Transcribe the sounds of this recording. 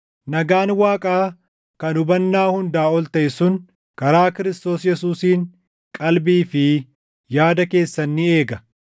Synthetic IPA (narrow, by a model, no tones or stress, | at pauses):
nɐɡaːnwaːkʼaː | kɐnʊbɐnːaːhʊnd̪aːɔlt̪ɐʔɪsʊn | kɐɾaːkɪɾɪst̪o̞ːsjɛsuːsiːŋ | kʼɐlbiːfɪ | jaːd̪ɐke̞ːsːɐnːɪe̞ːɡɐ